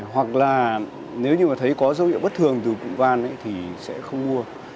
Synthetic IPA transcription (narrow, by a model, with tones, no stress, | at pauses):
hwa˨˩k̚laː˨˩ | ne˨˦wɲɨ˧maː˨˩t̪ʰə˨˦jkɔ˨˦zə˨˦whḭ˧˨wɓə˦˥t̚t̪ʰɨ˨˩əŋt̪ɨ˨˩kṵ˧˨ŋ͡mvaː˧˩nʔə̰˧˥jt̪ʰi˨˩sɛ̰˧˥xə˧wŋ͡mmu˧ə